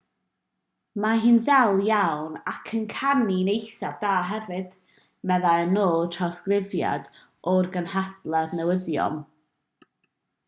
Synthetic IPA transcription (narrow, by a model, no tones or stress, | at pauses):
maɦɨnðɛlˠjawnakʰənkʰaninejθad̥aːɦɛvɨd̥ | mɛðaənoːlˠtʰranskrɪvja̰d | ʔɔrɡənhad̥lˠaðnəwəðjɔ̰m